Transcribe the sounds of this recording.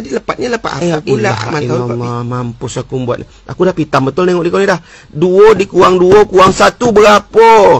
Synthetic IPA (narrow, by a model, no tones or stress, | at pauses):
adiləpat̪̚ɲaləpa̰ʔ̪auulaamaaaamampʊsakumbuat̪̚ʔ | a̰kudahpit̪ambət̪ʊlneŋɔʔdikanidah | duodikuaŋduokuaŋsat̪ubəɾapo